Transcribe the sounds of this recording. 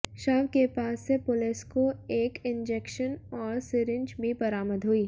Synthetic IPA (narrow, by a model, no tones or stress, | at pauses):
ʃaːʋkepaːsːepʊlɪskoeːkɪ̃nd͡ʒeːkʃənɔːɾsɪɾɪ̃ɲd͡ʒbʱibɐɾaːməd̪ɦoːiː